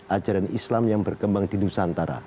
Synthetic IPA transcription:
ʔad͡ʒaɾanʔislamjaŋbərkəmbaŋdidusant̪aɾa̰

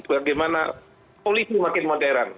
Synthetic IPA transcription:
baɡajmana̰ | polisimakɪnmadaɾan

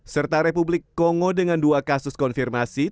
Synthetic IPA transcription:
sərt̪aɾepublɪkːɔŋɔdəŋanduakasʊskɔnfirmasi

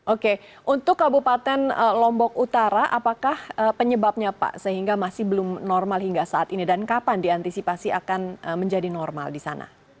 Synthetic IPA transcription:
ʔoke | ʔunt̪ʊkːabupat̪ɛnəlɔmbɔkut̪aɾaʔapakahəpəɲəbap̚ɲapa̰ʔsəɦiŋɡamasɪhbəlʊmnɔrmalɦiŋɡasaːt̪inidankapandiant̪isipasiakanəməɲd͡ʒadinɔrma̰ldisa̰na̰

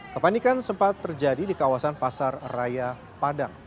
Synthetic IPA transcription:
kəpanikansəmpat̪ːərd͡ʒadidikawasanpasarraja | padaŋ

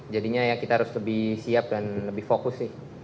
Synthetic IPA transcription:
d͡ʒadiɲajakit̪aɦaɾʊsləbɪhsiap̚danləbɪhfokʊsːɪh

